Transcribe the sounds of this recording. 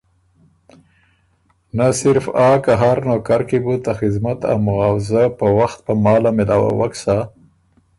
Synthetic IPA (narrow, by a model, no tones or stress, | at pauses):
nasɪɾfɑkaɦaɾnokaɾkibut̪axɪzmat̪a̰wmʊɣɑwzapəwaxt̪̚pəmɑlamed̪awa̰waksa